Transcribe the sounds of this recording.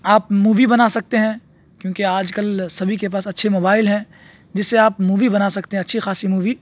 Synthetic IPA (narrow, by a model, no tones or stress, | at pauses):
aːpmuːʋibɐnaːsɐk̚t̪eɦɛ̃ | kjõːkeaːd͡ʒkɐlsɐbʱikep̬aːsɐtːʃʰemoːbaːɪlɦɛ̃ | d͡ʒɪsːeaːpmuːʋibɐnaːsɐkt̪eɦɛ̃ɐtːʃʰixaːsimuːʋi